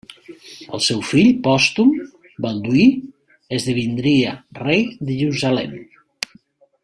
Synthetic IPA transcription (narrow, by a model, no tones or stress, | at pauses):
ə̰lˠsɛwfiʎpɔst̪um | balˠd̪ui | ezðəβind̪ɾiarejðəʒeuzalɛm